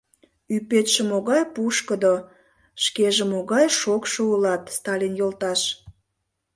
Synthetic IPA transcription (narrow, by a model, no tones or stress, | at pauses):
ypet̪ʃĕmoɣɑjpuʃkəd̪o | ʃkeʒemoɣɑjʃokʃoulɑt̪st̪ɑlʲinjolt̪ɑʃ